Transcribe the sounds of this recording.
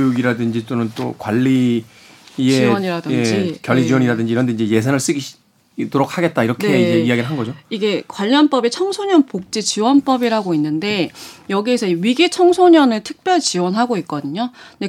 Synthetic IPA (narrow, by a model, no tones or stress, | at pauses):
juɡiɾadɯnd͡ʑit͈onɯnt͈o̰kwaʎːiː | eiʌɲiɾadɯed͡ʑikjʌʎːid͡ʑiwʌɲiɾadɯnd͡ʑiɾʌndeinɲd͡ʑe̞je̞sʰanɯɭs͈ɯɡiɕ | toɾokʰaɡet̚t͈aiɾʌknʰeieiaɡiɾɭɦanɡʌd͡ʑoiɡe̞kwaʎːʌnp͈ʌbit͡ɕʰʌŋsʰoɲʌnpok̚t͡ɕ͈it͡ɕiwʌnp͈ʌbiɾɦaɡoinːɯnde̞jʌɡie̞sʰʌiɥiɡit͡ɕʰʌŋsʰoɲʌnɯɭtʰɯ̥k̚p͈jʌɭt͡ɕiwʌnɦaɡoik̚k͈ʌdɯɲode̞